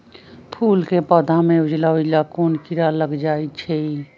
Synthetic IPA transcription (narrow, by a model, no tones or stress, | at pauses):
pʰuːlkepəd̪ʱameud͡ʒlaud͡ʒlakonkiɾaləɡd͡ʒait͡ʃʰɛ